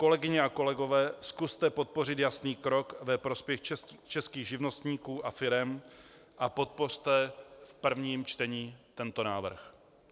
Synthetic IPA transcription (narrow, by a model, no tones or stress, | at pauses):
ko̞lɛɡɪɲɛako̞lɛɡo̞vɛːskust̪ɛpo̞t̪̚po̞rɪt̪jasniːkɾo̞kvɛpɾo̞spjɛxɛt͡ʃɛskiːɣʒɪvno̞st̪ɲiːkuːʔafɪɾɛm | ʔapo̞t̪̚po̞r̝̥t̪ɛfpr̩vɲiːmt͡ʃt̪ɛɲiːt̪ɛnt̪o̞naːvr̩x